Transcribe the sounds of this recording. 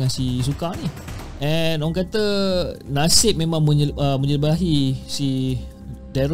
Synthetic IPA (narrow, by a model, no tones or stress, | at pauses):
ŋãnsis̬ukani | ʔɛnɔaŋkat̪ənasɪp̚mẽmãŋmə̃ɲəmə̃ɲəbaaɦisi | dɛɾ